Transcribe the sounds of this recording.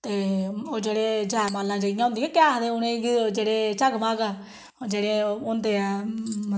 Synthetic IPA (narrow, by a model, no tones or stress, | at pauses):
t̪eːoːd͡ʒeːɽeːd͡ʒaːmaːlːãːd͡ʒaːɪjãɦʊ̃nd̪iːãːkɪjaːɦd̪eːʊnẽːɡid͡ʒeːɽeːt͡ʃaɡmãːɡaː | d͡ʒeːɽeːʊnd̪eːɛm